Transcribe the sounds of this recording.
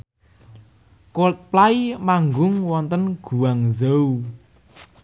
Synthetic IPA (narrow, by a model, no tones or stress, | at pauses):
kot̪̚plaimaŋɡʊŋwɔnt̪ənɡ̥ṳwaŋzəu